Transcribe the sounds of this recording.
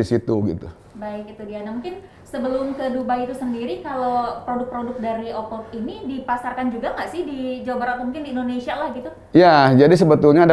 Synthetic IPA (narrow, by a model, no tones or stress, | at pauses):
isit̪uɡḭt̪u | baɪkit̪udianamuŋkɪn | səbəlʊmkədubaiit̪usəndiɾikalopɾodʊk̚pɾodʊk̚daɾiʔopɔk̪inidipasarkand͡ʒuɡaŋaʔsɪhdid͡ʒawabaɾaʔk̪umuŋkɪndiːndonesialahɡit̪u | jad͡ʒadis̬əbət̪ulɲad